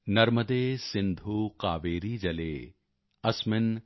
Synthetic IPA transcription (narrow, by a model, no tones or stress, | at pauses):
nɐɾməd̪eːsɪ̃nd̪ʱuqaːʋeːɾiːd͡ʒɐlḛː | ɐsmɪn